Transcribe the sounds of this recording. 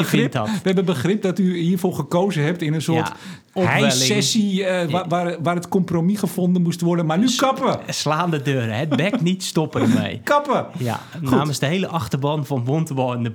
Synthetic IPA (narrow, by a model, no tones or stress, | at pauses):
ɪʋəɛbənbəxrɪp̚dɔtyhiːrfoːχəkowzəɦɛp̚tɪnənsoərt | ɔɛlɪɛsiʋaʋaːrətkɔmpromixəfondənmustʋɔrdənmanykɑpəslaːndədøːɾəhɛt̚bɛknitstɔpəəmḛjkɑpəja̰nnaːməsdəheləʔɑxtərbɔnfɔnʋontʋɔnə